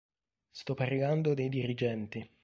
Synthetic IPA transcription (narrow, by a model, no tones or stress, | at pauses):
st̪ɔpːaɾiɡand̪od̪ejd̪iɾid͡ʒɛnt̪i